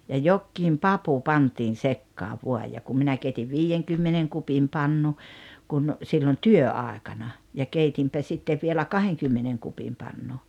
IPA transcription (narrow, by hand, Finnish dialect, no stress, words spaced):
jɑ jokːiːm pɑpu pɑntiːn̞ sekːɑːʋ ʋuɑj jɑ kum minæ keitiʋ ʋiːjeŋkymːeneŋ kupim pɑnːu kun silːon tyøɑˑekɑnɑ jɑ keitimpæ sitːeʋ ʋielæ kɑheŋkymːeneŋ kupim pɑnːu